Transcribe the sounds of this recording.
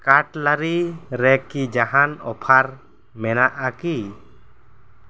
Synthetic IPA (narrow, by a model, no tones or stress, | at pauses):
kaʈlaɾiɾɛkid͡ʒaɦanɔ̰pʰaɾ | mɛnaʔaki